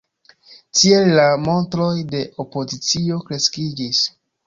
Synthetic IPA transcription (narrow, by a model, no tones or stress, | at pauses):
tʰie̞lːamo̞ntɾo̞jde̞ʔo̞po̞zit͡sio̞kɾe̞skid͡ʒis